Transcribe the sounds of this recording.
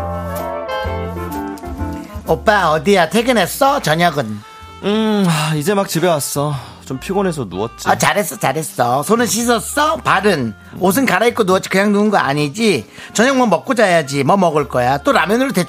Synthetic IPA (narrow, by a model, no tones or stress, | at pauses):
op͈aʌdijatʰeɡɯnes͈ʌt͡ɕʌɲaɡɯn | ɯaid͡ʑe̞mak̚t͡ɕibe̞was͈ʌ | t͡ɕompʰiɡone̞s̬ʰʌnuʌt̚t͡ɕ͈iat͡ɕaɾes͈ʌt͡ɕaɾe̞s͈ʌsʰonɯnɕ̬ʰis̬ʰʌs͈ʌpaɾɯn | os̬ʰɯnkaɾait̚k͈onuʌt̚t͡ɕ͈i̥kɯɲaŋnuɯnɡʌa̰ɲid͡ʑi | t͡ɕʌɲaŋmʌnmʌk͈̚od͡ʑajad͡ʑimʌmʌɡɯɭk͈ʌjat͈oɾamjʌnɯɾote